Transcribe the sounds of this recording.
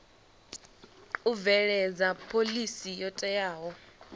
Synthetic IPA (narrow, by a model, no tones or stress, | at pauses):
uvɛɺɛd͡zapʰolisijɔtʼɛjaːɦɔ